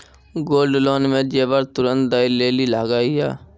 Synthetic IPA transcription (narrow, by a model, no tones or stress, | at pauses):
ɡoːlɖloːnmẽːd͡ʒeːʋəɾt̪ʊɾə̃nt̪d̪aːileːliːlaːɡaːiːja̰ː